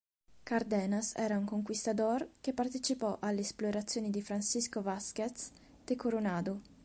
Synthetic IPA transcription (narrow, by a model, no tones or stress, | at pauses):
kaɾd̪ɛːnasɛ̰ːɾauŋkoŋkwist̪ad̪orkepart̪et͡ʃipɔʔalːeːsploɾat̪sːjoːnid̪ifɾansiskovasket̪s | d̪̥ekoɾonaːd̪u